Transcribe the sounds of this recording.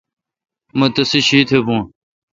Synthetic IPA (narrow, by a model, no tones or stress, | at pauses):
mɐt̪ɐsiɕiːt̪ʰebũː